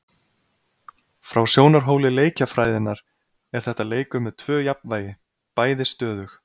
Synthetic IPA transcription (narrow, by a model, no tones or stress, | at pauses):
fɾawsjoːwnaɾ̥ɦoːwlɪleːjcafɾaːjðɪnːaɾ̥ | ɛɾ̥θɛht̪aleːjkʏmɛðt̪ʰvœːjapnvaːjɪ | paːjðɪst̪œːðʏx